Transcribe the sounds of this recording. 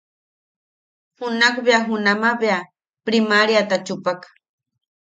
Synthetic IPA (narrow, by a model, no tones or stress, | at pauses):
hunakbeaɦunamabea | pɾimaɾjat̪at͡ʃupakḁ